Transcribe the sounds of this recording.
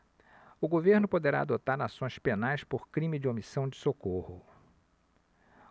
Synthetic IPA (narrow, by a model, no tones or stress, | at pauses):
ʊɡoveɾnʊpod̪eɾa̰ad̪ot̪aɾasõj̃spenajspoɾkɾĩmɪd͡ʒɪomisɐ̃w̃d͡ʒɪsokohʊ